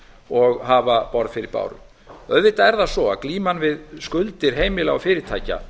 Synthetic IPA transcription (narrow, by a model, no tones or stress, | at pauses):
ɔɣɦaːvapɔɾð̥fɪɾɪɾpa̰ːwɾʏ̰ | œðvɪht̪aɛɾðasɔakliːmanvɪðskʏlt̪ɪɾ̥ɦeːjmɪlaɣɔfɪːɾɪɾ̥t̪ʰaːjca̰